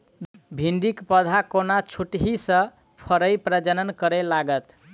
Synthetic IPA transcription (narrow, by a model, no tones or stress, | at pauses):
bʱiɳɖikpəd̪ʱakonat͡ʃʰuʈɦisə̃ | pʰəɾəjpɾəd͡ʒənənkəɾelaɡət̪